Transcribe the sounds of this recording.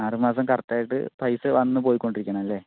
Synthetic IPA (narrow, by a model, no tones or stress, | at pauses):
aːrumaːs̬ɐmkɐrt̪ːaːjiʈːɨ̰pɐjsɨʋɐnːɨp̬o̞ːjikːo̞ɳɖiɾikʲːɐɳɐmɐlːe̞ː